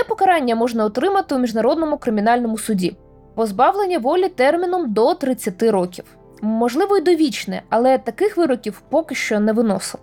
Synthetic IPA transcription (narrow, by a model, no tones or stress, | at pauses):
ɛpɔkɐɾɑnʲːɐmɔʐnɐɔt̪ɾɪmɐt̪ɪumʲiʒnɐɾɔd̪̚nɔmʊkɾɪmʲinɑlʲnɔmʊsʊdʲi | pɔzbɑwlˠenʲːɐʋɔlʲit̪ɛrmʲinɔmd̪ɔt̪ɾɪt͡sʲːɐt̪ɪɾɔkʲiw | mɔʒlˠɪʋɔid̪ɔʋʲit͡ʃnɛ̰ɐlˠɛt̪ɐkɪxʋɪɾɔkʲiwpɔkɪʃt͡ʃɔnɛʋɪnɔ̰sɪlˠ